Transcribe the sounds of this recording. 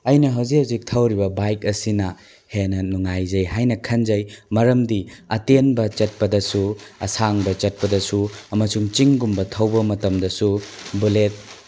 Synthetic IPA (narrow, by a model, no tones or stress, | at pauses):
ɐjnɐɦɐwzihɐwzik̚tʰɐwɾibɐbajkɐsinɐ | henɐnuŋajzɐjɦajnɐkʰɐnzɐjmɐɾɐmdiɐtenbɐt͡ʃɐt̚pɐdɐsuɐ̰saŋbɐt͡ʃɐt̚pɐdɐsuɐmɐsuŋt͡ʃiŋɡumbɐtʰɐwbɐmɐtɐmdɐsubulet̚